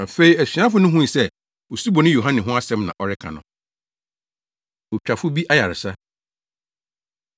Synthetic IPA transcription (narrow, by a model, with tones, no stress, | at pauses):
ã˨fe˦i˨˦æ˨sɥã˦fʊ˨˦nʊ̃˦ɦũ˦ĩ˨sɛ˦˨ | o˨si˦bɔ˨nʊ̃˦jo˨ɦã˦nɪ̃˨ɦʊ̃˦a˦sɛ̃˦mnã̰˨ʔɔ˦ɾɪ˦kʰã̰˨nʊ̰̃˨ | o˨t͡ɕᶣa˨fʊ˦bi˦ʔa˦ja˨ɾɪ˨sa˦